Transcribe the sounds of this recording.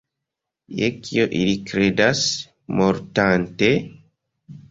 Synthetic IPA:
jekʰioʔilikɾe̞das | moɾtante̞

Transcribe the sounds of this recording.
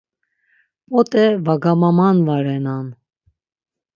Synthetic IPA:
pɔt̪ʼɛvaɡamɑmɑnvɑɾɛnɑn

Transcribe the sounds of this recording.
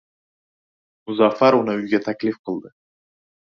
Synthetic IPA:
mʊzafaɾʊnɨʊjɡʲat̪ʰakʲlifqʰəlˠd̪ɪ

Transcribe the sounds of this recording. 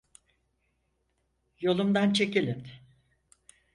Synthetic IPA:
jo̞lˠumd̪ant͡ʃʰe̞cilʲin

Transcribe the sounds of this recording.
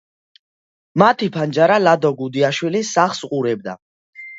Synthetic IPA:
mat̪ʰipʰand͡ʒaɾalad̪ɔɡud̪iaʃwilisaχsqʼuɾɛb̚d̪a̰

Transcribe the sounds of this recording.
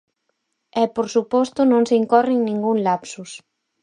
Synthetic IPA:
ɛpoɾsupɔst̪ʊnõŋseiŋkɔreŋnĩŋɡuŋlapsus

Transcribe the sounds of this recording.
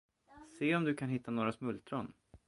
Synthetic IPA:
seːɔmd̪ɵkʰanɦɪt̪ːanoːɾasmɵlt̪ɾɔn

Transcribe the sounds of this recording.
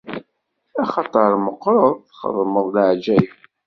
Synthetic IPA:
æχɑt̪ˤəɾˤməqɾˤəðˤθχə̰ðˤməðˤləʕd͡ʒæj

